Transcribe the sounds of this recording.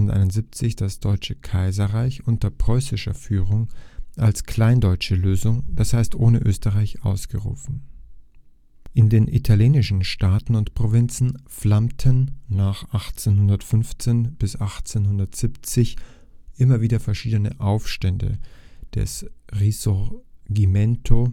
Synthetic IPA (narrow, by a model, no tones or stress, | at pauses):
n̩tʔa̰ɪnʊnziːp̚t͡sɪçd̥asd̥ɔʏt͡ʃəkʰaɪzɐʁaɪçʔʊntɐpʁ̥ɔʏsɪʃɐ̰fyːʁʊŋʔalskl̥aɪndɔʏt͡ʃəløːzʊŋd̥ashaɪstʔoːnəʔøːstəʁaɪçʔa̰ʊsɡ̥əʁṵːfn̩ | ʔɪndeːnʔḭtʰaljeːnɪʃn̩ʃtaːtn̩ʊntpʁ̥ovɪnt͡sn̩flamtʰənːaːχʔaχt͡senhʊndɐtfʏnft͡seːnb̥ɪsʔaχt͡senhʊndɐtz̥iːpt͡sɪç | ʔɪmɐviːdɐfɛɐʃiːdənə̰ʔaʊfʃtɛndə̰d̥ɛ̰sʁisɔɡimɛntʰo